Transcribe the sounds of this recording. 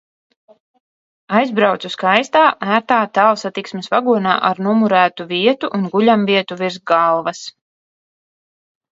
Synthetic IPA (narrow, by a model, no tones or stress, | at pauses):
ajzbɾawt̪suskajst̪aːæːɾt̪aːt̪aːlˠsat̪iksmɛsvaɡuɔna̰ːʔaɾnumuɾæːt̪uviɛt̪uʔːnɡuʎʲamviɛt̪uviɾsɡalˠvɐs